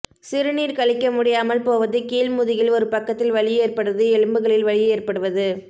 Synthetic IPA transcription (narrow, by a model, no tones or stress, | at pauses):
sɪɾɯniːɾkɐɭɪkːɐmʊɽɪjaːmɐlpoːʋɐðɯkiːlmʊðɪjɪlɔɾɯpɐkːɐt̪ːɪlʋɐɭɪjeːrpɐɽɯðɯɛɻɯmbɯɣɐɭɪlʋɐɭɪjeːrpɐɽɯʋɐðɯ